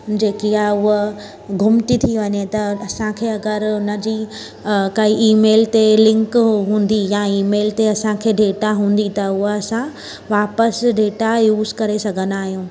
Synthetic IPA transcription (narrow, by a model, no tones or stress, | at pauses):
d͡ʑeːkijaʊɦ | ɡʱʊmt̪it̪ʰiʋɐɲet̪ɐɐsãkʰeːɐɡəɾʊnəd͡ʑiː | kɐiʔiːmeːlt̪elɪ̃ŋkɦũːnd̪ijaiːmeːlt̪eɐsãkʰeːɖeːʈaɦũːn̆d̪it̪ɐʊɦɐsã | ʋaːpəsɖeːʈajuːzkɐɾesɐɡʱənaːɦijũː